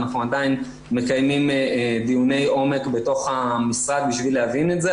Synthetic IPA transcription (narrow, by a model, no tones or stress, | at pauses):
naχnuad̪ain | me̞kajmimd̪ijune̞jʔo̞me̞kbeto̞χamisʁad̪̚biʃvilehavinetze